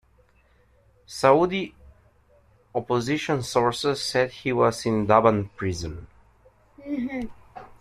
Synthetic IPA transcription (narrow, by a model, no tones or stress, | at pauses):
saud̪i | ɔpɔziʃɔ̃nsɔɹsəsːɛd̪hiwɔzĩnd̪abãnpɹizə̃n